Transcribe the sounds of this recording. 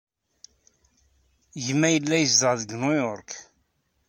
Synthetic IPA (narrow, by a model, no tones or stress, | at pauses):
ʝəmːæjəlːæjəzd̪əʁðəɡnujɔɾk